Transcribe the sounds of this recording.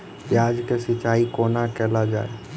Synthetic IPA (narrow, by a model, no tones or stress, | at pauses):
pjaːd͡ʒkesɪt͡ʃaːikoːnakɛːlad͡ʒa̰ːe